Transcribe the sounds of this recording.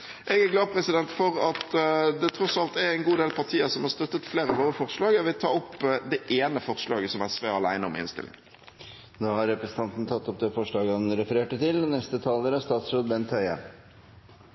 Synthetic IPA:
ʔɛɡæɾɡlɑːpʰɾɛsɪd̪ɛnt̪fɔɾɑt̪d̪ɛt̪ʰɾɔsɑlt̪æɾɛɪnɡuːd̪eːlpʰɑʁʈ̪ʰiːəsɔmhɑɾst̪œt̪ːət̪fleːɾəɑʋoːɾəfɔɾʂlɑːɡəɔʋɪlt̪ʰɑːɔpːd̪ɛʔeːnəfɔɾʂlɑːɡəsɔmæɾsʋeːɑlæ̰ɪnəɔmɪ̰nst̪ɪ̰lɪ̰ŋ | d̪ɑːhɑɾɛpɾɛsn̩t̪ɑnt̪n̩t̪ʰɑt̪ːɔp̚d̪ɛfɔʂɭɑːɡəhɑnɾɛfəɾeːʈət̪ɪlnɛst̪ət̪ʰɑːləɾəst̪ɑːt̪sɾoːd̪bɛnt̪ʰːœʏə̰

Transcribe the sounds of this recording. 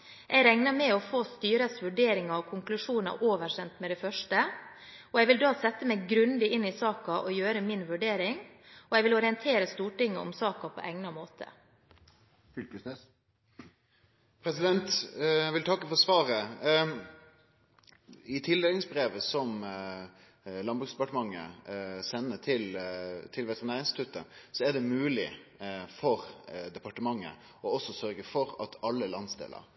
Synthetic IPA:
ʔɛæɾɛŋnəmɛɔfoːst̪yːɾəsʋʉɖeːɾɪŋɑɾɔkʰʊŋklʉʂuːnɑ̰ɾʔoːʋəɕɛnt̪mɛd̪ɛfœʂʈə | ʔɔjɛɪʋɪld̪oːsɛt̪ːəmɛɡɾʉnd̪ɪɪnːɪsɑːkɑʔɔjøːɾəmɪnʋʉɖeːɾɪŋɔjɛɪʋɪlɔɾɪənt̪ʰeːɾəst̪uːʈɪŋːə̰ʔɔ̰msɑːkɑpʰɔ̰ʔɛŋnɑmoːt̪ʰə̰ | fʏlkəsnes | pʰɾɛsɪd̪ɛnt̪ʋɪlt̪ʰɑkːəfɔɾsʋɑːɾə | ɪt̪ʰɪld̪eːlɪŋsbɾeːʋəsɔm | lɑnbɾʉksd̪ɛpɑʈəmɑŋːə̰sɛnːət̪ʰɪlt̪ʰɪlʋɛt̪əʁɪnæːɾɪnst̪ɪt̪ʰʉt̪əsɔæɖɛmʉːlɪfɔɾd̪ɛpɑʈəmɑŋːə̰ | ɔɔsɔsœɾɡəfɔɾɑt̪ʰɑlːəlɑnsd̪ḛːlə̰ɾ

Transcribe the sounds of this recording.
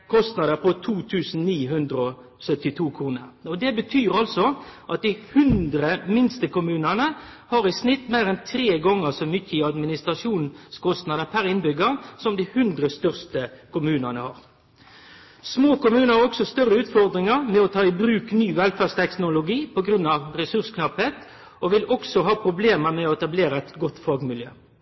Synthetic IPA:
kʰɔst̪nɑd̪əpɔt̪ʰuːt̪ʰʉːsn̩niːɦʉnd̪ɾəɔ | sœt̪ɪt̪ʰuːkʰʁuːnə̰ʁɔd̪ɛbət̪ʰyːɾɑlsɔʔɑt̪̚d̪ɪhʉnd̪ɾəmɪnst̪əkʊmʉːnənəhɑɾɪsnɪt̪ːmæɪʁɛnt̪ʰɾeːɡɔŋːəʁsɔmʏçːəɪɑd̪mɪnɪst̪ʁɑʂuːnskɔst̪nɑd̪əpʰæɾɪnbʏɡəsɔmd̪ɪhʉnd̪ɾəst̪œʁst̪əkʊmʉːnənəhɑ̰ːʁ | smoːkʊmʉːnəɾɔksɔst̪œrəʉːt̪fɔʁd̪ɾɪŋəʁmɛɔt̪ʰɑːɪbɾʉːknyːʋɛlfæʁst̪ʰɛk̪nʊlʊɡiːpɔɡɾʉnːɑʋɾɛsʉʁskʰnɑpheːt̪ | ʔɔʋɪlɔksɔɦɑːpʰɾʊbleːməɾmɛɔɛt̪ɑbleːɾəɛt̪ɡɔt̪ːfɑːɡmɪljø̰ː

